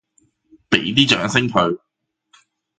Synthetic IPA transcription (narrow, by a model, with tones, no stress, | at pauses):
pe˨˥jt̪̬iː˥t͡ʃœ̰ː˨˥ŋsɪ˥ŋkʰɵ˧ɥ